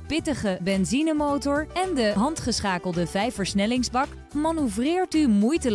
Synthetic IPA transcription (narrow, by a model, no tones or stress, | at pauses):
pɪtəχəbɛnzinəmowtɔɹɛndəɦɑntχəsχaːkəlˠdəvɛjfəɹsnɛlɪŋzbɑk | mɑnuvrɪːɹtymujtəl